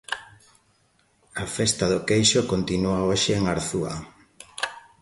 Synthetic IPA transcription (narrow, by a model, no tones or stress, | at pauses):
afɛst̪aðʊkejʃokont̪inuaoʃɪːŋaɾθua̰